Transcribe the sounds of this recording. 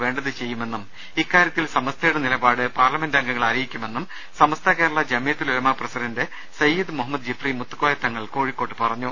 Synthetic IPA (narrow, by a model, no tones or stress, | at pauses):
ʋe̞ːɳɖɐðɨt͡ɕe̞jːume̞nːum | ikːaːɾjɐt̪ːilsɐmɐst̪ʰɐjuɽenilɐbaːɽɨpaːrlɐme̞ndɐŋɡɐŋːɐɭaːɾɐjikʲːume̞nːum | sɐmɐst̪ʰɐkeːɾuɭːɐd͡ʑɐmijɐt̪ːiluɾɐmɐprɐsidɐnde | sɐjːud̪muɦɐmːɐd̪̚d͡ʑifrimut̪ːukːoːjɐt̪ːɐŋːɐɭko̞ːɻikːo̞ːʈːɨpɐrɐɲːu